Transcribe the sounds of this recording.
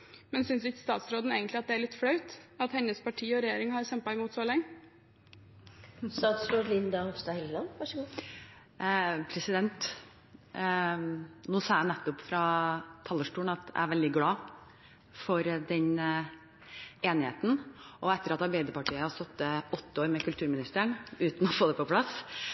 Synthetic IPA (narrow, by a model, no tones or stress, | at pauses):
mɛnsʏnsʋɪkst̪ɑːt̪sɾoːd̪n̩eːɡənt̪lɪɑt̪̚d̪ɛæɭɪt̪fɽɑʉt̪ɑt̪hɛnːəspɑʈʰiːɔɾɛjeːɾɪŋhɑɾɕɛmpɑɪmuːt̪sɔːlɛŋːə | st̪ɑt̪sɾoːɾlɪnd̪ɑhɔʋst̪ɑhɛllɑnʋæʂəɡu | pʰɾɛsɪd̪ɛnt̪ | noːsɑːjænɛt̪ːʊpfɾɑt̪ʰɑlːəʂʈuːɳ̩nɑt̪æ̰æɾʋɛld̪ɪɡlɑː | fɔɾd̪ɛn | eːnɪhḛːt̪n̩ʔɔɛt̪ːəɾɑt̪ɑɾbæɪd̪əpɑʈʰiːəɑst̪ɔt̪ːəɔt̪ːəoːɾmɛkʉlt̪ʰʉːɾmɪnɪst̪əɳʉːt̪n̩ɔfoːd̪ɛpɔpʰlɑs